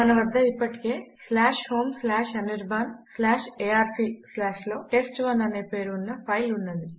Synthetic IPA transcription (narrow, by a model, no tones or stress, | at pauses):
mɐnɐʋɐd̪ʱːɐipːɐʈi̥ke̞ːslaːʂho̞ːmslaːʂɐniɾbʱɐnslaːʂeaːɾtʰiːslaːʂlo̞ːʈe̞sʈʋɐnɐneːpe̞ːɾunːɐpʰɐjlunːɐnd̪i